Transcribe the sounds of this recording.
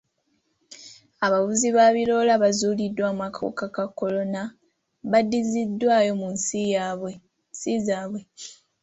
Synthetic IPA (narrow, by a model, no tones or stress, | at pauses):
aβaβuziβaːβilo̞laβazuːlidːwaːmakʰo̞̰kakakːo̞lo̞na | βadːizidːwaːjo̞munsijaβwe | sizaːβwe